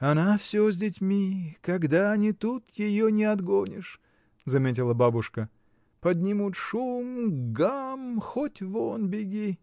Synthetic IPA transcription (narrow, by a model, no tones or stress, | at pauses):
ɐnafsʲozʲdʲɪtʲmʲikɐɡd̪anʲit̪ut̪jɪjonʲɪɐd̪ɡonʲɪʂ | zɐmʲet̬ʲɪlˠəbabʊʂkə | pɐd̪ʲnʲimut̪ʂumɡamxotʲvonbʲɪɡʲi